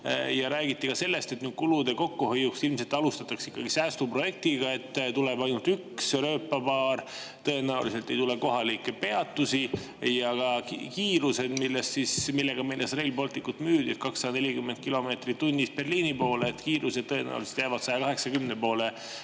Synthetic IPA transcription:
jɑɾæːɡit̪ːikɑse̞lːe̞st̪e̞t̪nyːd̪̥̚kulud̪e̞ko̞kːuhojːuksilmse̞lt̪ːɑlust̪ɑt̪ːˑɑksi̥kːɑɡ̥isæːst̪upro̞je̞k̚t̪iɡɑe̞t̪ːt̪ule̞bɑjnult̪yksɾøːpːɑpɑːr | t̪ɤ̞e̞næulise̞lt̪ːˑe̞jt̪ule̞ko̞ɦɑlikˑːe̞pe̞ɑt̪ːˑusi | jɑɡ̥ɑkiːɾuse̞d̪̥milːest̪sismilːe̞ɡ̥ɑmejlːesreilbo̞lt̪ˑikːut̪myːd̪id̥̪kɑksːɑd̪ɑne̞lʲikymːend̪̚kilo̞me̞ːt̪rit̪unʲːisb̥e̞rliːnipo̞ːleːt̪ːkiːɾʔuse̞d̪̚t̪ːɤe̞næ̰ṵliset̪jæːvɑd̪sɑjɑkɑɦe̞ksɑkymnepo̞ːle

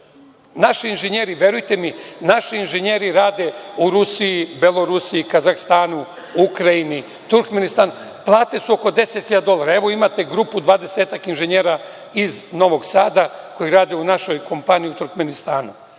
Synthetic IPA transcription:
naʃiinʒeɲeːɾiʋje̞ɾujt̪e̞minaʃiinʒeɲeːɾiɾaːd̪e̞uɾusijibelˠo̞ɾusiikazaxst̪aːnu | ukɾajini | t̪uɾkmenist̪aːn | plˠaːt̪e̞suo̞ko̞d̪e̞set̪xiʎad̪d̪o̞lˠaːɾaeʋo̞imat̪e̞ɡɾupud̪ʋaːd̪e̞seːt̪akinʒeɲeːɾa | izno̞ʋo̞ɡsaːd̪ako̞jiɾaːd̪e̞unaʃo̞jko̞mpanijiut̪uɾkme̞nist̪aːnu

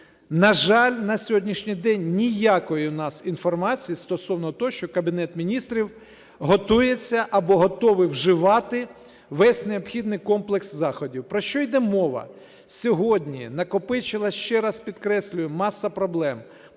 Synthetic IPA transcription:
nɐʒɑlʲnɐsʲɦɔdʲnʲiʃnʲɪjd̪ɛnʲːijakɔjinɑsinfɔrmɑt͡sʲijist̪ɔsɔwnɔt̪ɔʃt͡ʃɔkɐbʲinɛt̪mʲinʲist̪ɾʲiw | ɦɔt̪ujet͡sʲːɐʔɐbɔɦɔt̪ɔʋɪwʒɪʋɑt̪ɪ | ʋɛsʲneɔbxʲid̪nɪjkɔmplˠekszɑxɔdʲiwpɾɔʃt͡ʃɔjd̪ɛmɔʋɐ̰ | sʲɔɦɔdʲnʲinɐkɔpɪt͡ʃɪlˠɐʃt͡ʃɛɾɑspʲid̪kɾɛsʲlʲʊjɛmɑsːɐpɾɔblˠɛm

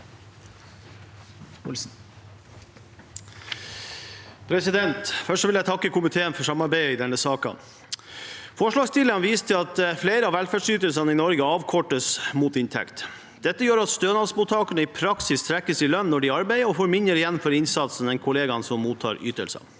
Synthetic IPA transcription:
pʰɾɛsɪd̪ɛnt̪fœʂʈʋɪljæɪt̪ʰɑkːəkʰʊmɪt̪ʰeːənfɔʂɑmɑɾbæɪɪd̪ɛnːəsɑːkɑ̰n | fɔʂɭɑːɡst̪ʰɪlɑnʋiːst̪ʰɪlɑt̪fleɪɾəɑʋælfæːɖʂsyːt̪əlsɑnəɪnɔɾɡəɑːʋkʰɔʈːəsmuːt̪ɪnt̪ʰɛ̰kt̪ | d̪̥ɛt̪ːəjøːɾɑt̪st̪øːnɑlsmuːt̪ʰːɑːkəɳəɪpʰɾɑksɪst̪ʰɾɛkːəsɪlœnːɔɖɪɑɾbæɪəɔfɔɾmɪnəɾɪjɛnfɔɾɪnsɑt̪sn̩d̪ɛnkʰʊleːɡɑnsɔmːuːt̪ʰːɑ̰ːɾy̰ːt̪əlsɑ̰

